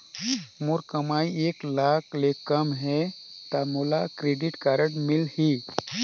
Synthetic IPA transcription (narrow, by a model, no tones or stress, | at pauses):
muɾkəmaːieːklaːkʰlekəmɦɛt̪amulakɾeɖɪʈkaːɾəʈmɪlhi